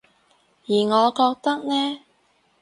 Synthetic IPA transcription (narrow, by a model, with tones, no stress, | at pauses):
jiː˨˩ŋɔː˨˧kɔː˧k̚t̪ɐ˥k̚nɛː˥